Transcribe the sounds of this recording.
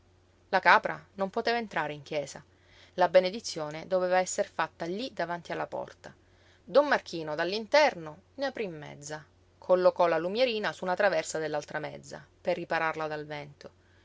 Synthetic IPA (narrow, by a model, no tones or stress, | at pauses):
lakaːpɾa̰nompot̪eːvaent̪ɾaːɾeiŋk̟jɛːza̰ | labened̪it̪sːjoːned̪oveːvaɛsːerfat̪ːalid̪avant̪ialːapɔ̰rt̪a | d̪omːark̟ʰiːnod̪alːint̪ɛrno | neapɾimːɛ̰d̪zːa | kʰolːokɔlalumjeɾiːnasunat̪ɾavɛrsad̪elːalt̪ɾamɛd̪zːa̰perːipaɾarlad̪alvɛnt̪o